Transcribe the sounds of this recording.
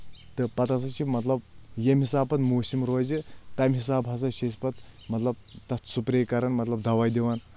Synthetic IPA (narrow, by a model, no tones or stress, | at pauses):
t̪ɨpɐt̪as̬ɐt͡ʃʰimɐt̪lɐb̚jɐmhisaːpɐt̪muːsimɾoːzit̪ɐmɦisaːbɦɐs̬ɐʃespɐt̪mɐt̪lɐb̚t̪ɐt̪supɾeːkɐɾɐnmɐt̪lɐb̚d̪ɐwaːjd̪iwan